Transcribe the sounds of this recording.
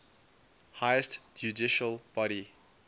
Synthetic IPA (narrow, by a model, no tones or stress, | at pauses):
haɪəstd͡ʒudiʃəlb̥ɔɾi